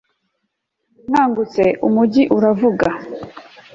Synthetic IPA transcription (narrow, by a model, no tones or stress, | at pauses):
ŋaːŋɡut͡se̞ʔumuɟiʔuɾavuɡa